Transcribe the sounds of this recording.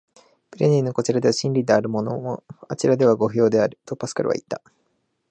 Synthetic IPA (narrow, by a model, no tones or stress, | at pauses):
pɯ̟ɾeɲʲĩnːo̞ko̞t͡ɕiɾad̪e̞βaɕĩnɾʲid̪e̞aɾɯ̟mo̞no̞̰moat͡ɕiɾad̪e̞β̞aɡo̞ɸɯ̟jo̞ːd̪e̞aɾɯ̟t̪opasɨ̥kaɾɯ̟βa̰it̪ːa